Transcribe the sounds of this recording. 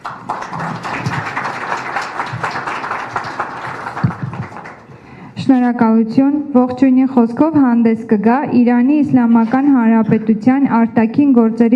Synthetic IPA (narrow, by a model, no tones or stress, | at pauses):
ʃnɔɾɑkɑlut͡sʰjunvɔχt͡ʃʰujniχɔskʰɔvhɑnd̪ɛskəɡɑiɾɑniːslɑmɑkɑnɦɑnɾɑpɛt̪ut͡sʰjɑnɑɾt̪ɑkʰinɡɔɾt͡sɛɾi